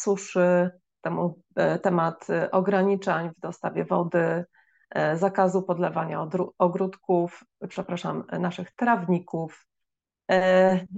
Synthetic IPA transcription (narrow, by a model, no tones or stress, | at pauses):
suʂɘ | t̪ɛmu | t̪ɛmat̪ʔɔɡɾaɲit͡ʂaɲvd̪ɔst̪avʲjɛvɔd̪ɘ | zakazupɔd̪lɛvaɲaɾuɔɡɾut̪kuf | pʂɛpɾaʂamnaʂɘxt̪ɾavɲikuf